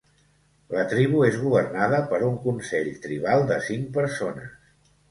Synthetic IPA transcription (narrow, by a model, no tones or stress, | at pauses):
lət̪ɾiβ̞uezɣuβərnaðəpəɾuŋkunsɛʎt̪ɾiβ̞alˠd̪əsiŋ̚pəɾsonəs